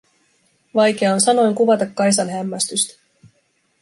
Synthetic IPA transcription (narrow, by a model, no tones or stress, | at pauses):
ʋɑjk̟e̞ɑonsɑno̞jŋkuʋɑt̪ɑkːɑjs̬ɑnɦæmːæst̪yst̪æ̥